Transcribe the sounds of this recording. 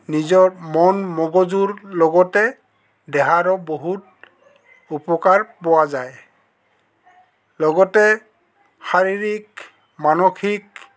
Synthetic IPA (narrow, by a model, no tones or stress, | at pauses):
nizɔɹmɔnmɔɡɔzuɹlɔɡɔtɛ | dɛɦaɹɔboɦut̚ | upɔkaɹpɔwazaj | lɔɡɔtɛ | xaɹiɹik̚ | manokʰik̚